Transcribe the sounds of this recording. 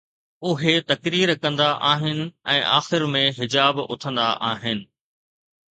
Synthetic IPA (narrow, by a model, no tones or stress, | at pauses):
ʊɦet̪ɐkɾiːɾkɐ̃nd̪aʔaːɦɪnɪ̆ɛ̃ːʔaːxɪɾmẽɦɪd͡ʑaːbʊ̰t̪ʰə̃nd̪aʔaːɦɪnɪ̆